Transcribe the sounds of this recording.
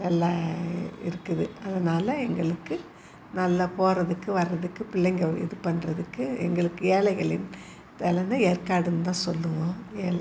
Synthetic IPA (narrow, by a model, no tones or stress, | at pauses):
nɐlːɐ | ɪ̰ɾɯkːɯðɯɐðɐnaːlɐɛŋɡɐɭɯkːɯ | nɐlːɐpoːɾɐðɯkːɯʋɐrːɐðɯkːɯpɪɭːɐŋɡɐɪ̰ðɯpɐnrɐðɯkːɯɛ̰ŋɡɐɭɯkːɯeːlɐɪɣɐɭɪn | t̪ɛlɐnd̪ɐeːrkaːɽɯnt̪ãːsɔlːɯʋõːeːl